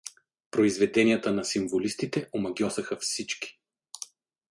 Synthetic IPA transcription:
pɾoizvɛd̪ɛnijət̪ənɐsimvolist̪it̪ɛʔomɐɡʲjɔsɐxɐfsit͡ʃki̥

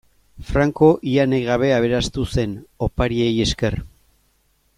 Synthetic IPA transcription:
fɾaŋko̞ʔianejɣaβ̞e̞aβ̞e̞ɾast̪use̞no̞paɾie̞je̞ske̞r

